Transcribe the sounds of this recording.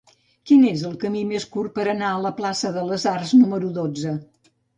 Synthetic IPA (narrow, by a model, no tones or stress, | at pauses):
kinezəlˠkəmimeskur̚pəɾənaələplasəðələzarznuməɾuðod͡zə